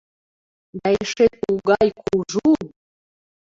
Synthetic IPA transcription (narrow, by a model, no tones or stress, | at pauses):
b̪æjeʃet̪̚uɡɑjkʰuʒu